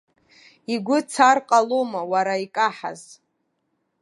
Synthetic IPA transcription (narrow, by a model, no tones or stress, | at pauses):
iɡʷʊt͡sʰarqʼalomawaɾaikʼaħa̰z